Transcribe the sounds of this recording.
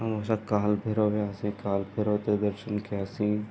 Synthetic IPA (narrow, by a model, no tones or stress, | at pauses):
ɐmɐʃakaːlbʱeɾobeaːsĩkaːlbʱeɾoːt̪ed̪əɾʃənkʰiaːsĩː